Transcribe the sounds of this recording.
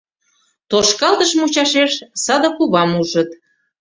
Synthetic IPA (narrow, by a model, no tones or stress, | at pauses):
t̪oʃkɑlt̪əʃmut͡ɕɑʃeʃsɑd̪ə̆kuβɑmuʒət̪̚